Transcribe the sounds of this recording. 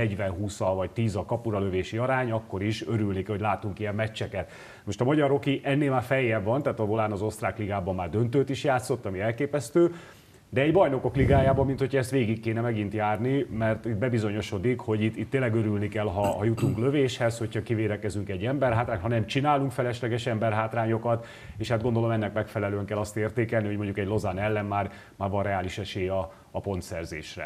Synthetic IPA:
ɛɟvɛnɦuːsɒvɒct̪iːzɒkɒpuɾɒløveːʃiɒɾaːɲɒkːo̞ɾiʃøɾylnikho̞ɟlaːt̪uŋkijɛmːɛt͡ʃːɛkɛt̪ | mo̞ʃt̪ɒmɒɟɒɾo̞kiʔɛnːeːlmaːrfɛjːɛvɒnt̪aːt̪ɒbolaːnɒzo̞st̪raːkliɡaːbɒmːaːrd̪ønt̪øːt̪iʃjaːt̪sːo̞t̪ːɒmiɛlkeːpɛst̪øː | d̪ɛɛɟbɒjno̞ko̞kliɡaːjaːbɒmːint̪ho̞cʰɒɛst̪ʋeːɡikːeːnɛmɛɡint̪jaːrnimɛrt̪it̪̚bɛbizo̞ɲo̞ʃo̞d̪ikho̞ɟit̪ːit̪ːeːlːɛɡøɾylnikɛlɦɒhɒjut̪uŋklø̞veːʃhɛsho̞chɒkiveːd̪ɛkɛzyŋkɛɟːɛmbɛrɦaːt̪ɾaːɲt̪hɒnɛmt͡ʃinaːluŋkfɛlɛʃlɛɡɛʃɛmbɛrɦaːt̪raːɲo̞kɒt̪ | eːʃhad̪̚ɡo̞nd̪o̞lo̞mɛnːɛkmɛkfɛlɛløːɛŋkɛlːɒst̪eːrt̪eːkɛlniɦomo̞ɲɟukɛɟlo̞zanɛlːɛnmaːr | maːrvɒnrɛaːliʃɛʃeːjɒ | ɒpo̞nt̪sɛrzḛːʃrɛ̰

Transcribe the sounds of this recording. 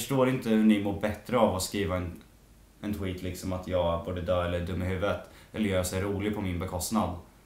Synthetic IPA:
fœʂʈoːɾɪnt̪əhɵɳɪmuːbɛt̪ːɾəavɔskɾiːvaɛn | ɛnt̪ʰwiːt̪lɪksɔmat̪ʰjɑːɡbuːɖ̪əd̪œːɾɛlːəɖ̪ɵmːɪɦʉ̟ːvət̪ʔɛlːəjœːjɾsɛɾuːlɪɡpʰɔmɪnbɛkʰɔst̪nad̪

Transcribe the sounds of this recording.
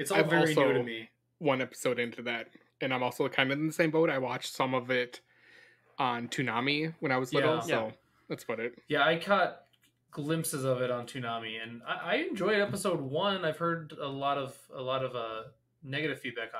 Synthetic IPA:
ɨtsaɪvvɛɔlˠɹˠisoʊɾmi | wʌ̃nɛpə̥soʊɾɪ̃ntʰʉðæt̚ | ɨ̃nãɪmɔlˠsoʊkʰãɪ̃ndʌn̩ðɨsẽɪ̃mboʊɾaɪwɑt͡ʃsʌ̃mʌvɪt | n̩tʰʉnɑmiwə̃ñaɪwʌzlɪɾl̩ˠsoʊ | ðætsb̥ʌɾɪt̚jæaɪkʰɑt̚ | ɡ̥lɪ̃mpsɨzʌvɨɾn̩tʰʉnɑmiɨ̃na̰ɪʔaɪɨ̃nd͡ʒɔɪɾɛpəsoʊd̚wʌ̃naɪv̥hɜ˞ɾəlɔɾʌvəlɔɾʌvʌ | nɛɡɨɾɨv̥fid̚bæk

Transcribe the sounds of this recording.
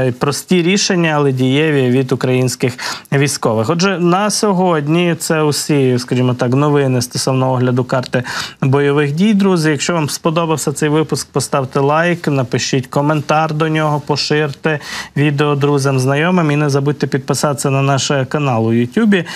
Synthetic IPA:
pɾɔsʲtʲiɾʲiʃenʲːɐːlˠɛdʲijɛʋʲiʋʲid̪ʊkɾɐjinʲsʲkɪxʋʲijsʲkɔʋɪxɔd͡ʒɛnɐsʲɔɦɔdʲnʲit̪sɛʊsʲiskɐʒʲimɔt̪ɑknɔʋɪnɪst̪ɔsɔwnɔɦɔɔɦlʲɐd̪ʊkɑrt̪ɪbɔjɔʋɪxdʲijd̪ɾuzɪjɐkʃt͡ʃɔʋɑmspɔd̪ɔbɐwsʲɐt̪sɛjʋɪpʊsk̚pɔst̪ɑwt̪ɪlˠɑjknɐpɪʃitʲkɔment̪ɑrd̪ɔnʲɔɦɔpɔʃɪrt̪ɪʋʲid̪eɔd̪ɾuzʲɐmznɐjɔmɪminɛzɐbud̚ʲt̪ɛpʲid̪̚pɪsɑt̪sʲɐnɐnɑʃkɐnɑlˠʊjʊtʲubʲi

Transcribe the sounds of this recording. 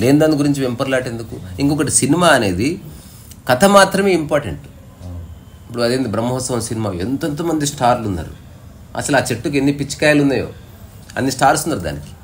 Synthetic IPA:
le̞ːnd̪aːniɡuɾiɲt͡ʃiʋempɐɾlaːʈend̪ukuiŋkɔkɐʈisinimaːɐne̞ːd̪i | kɐt̪ʰɐmaːt̪ɾɐme̞ːimpaːɾʈḛɳʈu | pːuɽuɐd̪eːnd̪ibɾɐmːɐɦɔːsɐʋɐmsinimaːent̪ont̪̬oːmɐnd̪isʈaːɾlunːa̰ːɾṵ | ɐ̰sɐlaːt͡ʃe̞ʈːuk̬e̞nːipit͡ʃːi̥kaːjɐlunːaːjo̰ː | ɐ̰nːisʈaːɾsunːaːɾud̪a̰ːniki̥

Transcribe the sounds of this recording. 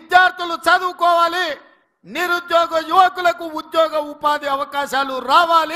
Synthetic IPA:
id̪jaːɾt̪ʰɐlut͡ʃɐd̪uːkɔːʋaːli | niɾud̪jɔːɡɐjuʋɐkulɐkuud̪jɔːɡɐupaːd̪iɐʋɐkaːʃaːluɾaːʋaːli

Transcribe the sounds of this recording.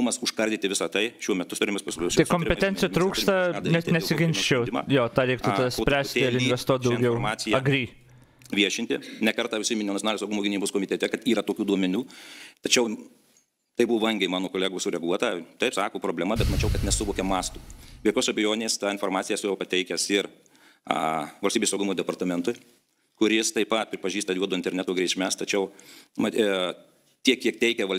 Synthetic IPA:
ʊmɐsʊʃkɐɾʲd̪ʲɪt̪ʲɪʋʲɪsɐt̪ɐɪʃʲuɔmʲɛt̪ʊt̪ʊɾɪmʲeːspɐsʲlʲɐɪkoːmpʲɛɛnʲtt͡sʲɪjɛt̪ɾuːkst̪ɐnʲɛnʲɛsʲɪɡʲɪnʲʃʲt͡ʃʲɛdʲɪmɐ̰joːt̪ɑːɾʲɛɪkt̪ʊɐd̪ɐsʲpɾʲæːsʲt̪ʲɪɪɾɪnʲʋʲɛst̪uɔt̪̚d̪ɐʊɡʲɛʊmɑːt͡s̪ʲɪjɛɐɡɾʲiː | ʋʲiɛʃʲɪnt̪ʲɪnʲɛkɐɾt̪ɑːʋʲʊsʲɪmʲɪnʲːnɐsʲonːlʲsɐʊɡʊmoːɡʲɪnʲiːboːskoːmʲɪtʲɛt̪ʲɛkɐt̪iːɾɐt̪oːkʲuːd̪uɔmʲɛnʲuːt̪ɐt͡ʃʲɛʊ | t̪ɐɪbʊʋoːʋɐŋʲɡʲɛɪmɑːnoːkoːlʲæːɡoːsʊɾʲɛɡuɔt̪ɑt̪ɐɪpsɑːkoːpɾoːbʲlʲɛmɐbʲɛt̪mɐt͡ʃʲɛʊkɐt̪nʲɛsʊʋoːkʲɛmɑːst̪uːʋʲiɛkʲoːsɐbʲɛjoːnʲeːst̪ɑːɪnfoːɾmɑːt͡sʲɪjɛsʊjɛʊpɐt̪ʲɛɪkʲɛsɪɾ̰ | ʋɐlʲsʲt̪ʲiːbesɐʊɡʊmoːd̪ʲɛpɐrt̪ɐmʲɛnt̪ʊɪ | kʊɾʲɪst̪ɐɪpɐt̪̚pʲɾʲɪpɐʒʲiːst̪ɐjʲuɔd̪oːɪnt̪ʲɛɾʲnʲæt̪oːɡɾʲɛɪʃʲmʲæst̪ɐt͡ʃʲɛʊmɐt | t̪ʲiɛkʲːiɛkt̪ʲɛɪkʲɛʋɐlʲ

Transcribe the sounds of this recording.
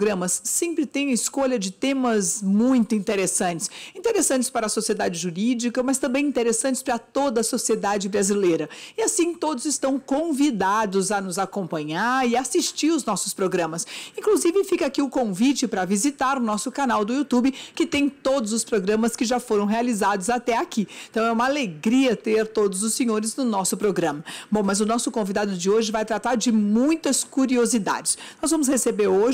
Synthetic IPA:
ɡɾɐ̃mɐsːẽmpɾɪt̪ẽj̃ɐɪskoʎɐd͡ʒɪt̪ẽmɐzmũj̃t̪ʊĩnt̪eɾesɐ̃nt͡ʃɪ̥sĩt̪eɾesɐ̃t͡ʃɪspaɾɐsosied̪ad͡ʒɪʒuɾid͡ʒikɐmɐst̪ɐ̃mbẽj̃ĩt̪eɾesɐ̃nt͡ʃɪ̥spaɾɐt̪od̪ɐsosied̪ad͡ʒɪbɾazilejɾɐɪasĩt̪od̪ʊzɪst̪ɐ̃w̃kõvid̪ad̪ʊzɐnʊzakõpɐ̃ɲaɾɪasist͡ʃiɾʊznɔsʊspɾoɡɾɐ̃mɐsĩkluzivɪfikɐakiʊkõvit͡ʃɪpɾɐvizit̪aɾʊnɔsʊkanawd̪ʊiut̪ubɪkɪt̪ẽj̃t̪od̪ʊzʊspɾoɡɾɐ̃mɐskɪʒafoɾɐ̃w̃ɦealizad̪ʊzat̪ɛakĩt̪ɐ̃w̃ɛũmɐaleɡɾiɐt̪eɾt̪od̪ʊzʊsẽɲoɾɪznʊnɔsʊpɾoɡɾɐ̃mɐbõw̃mɐzʊnɔsʊkõvid̪ad̪ʊd͡ʒɪoʒɪvajt̪ɾat̪aɾd͡ʒɪmũj̃t̪ɐskuɾiozid̪a̰d͡ʒɪsnɔzvɐ̃mʊs̬hesebeɾoʒ

